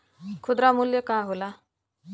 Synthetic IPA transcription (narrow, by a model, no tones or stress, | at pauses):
kʰud̪ɾamuljəkaɦola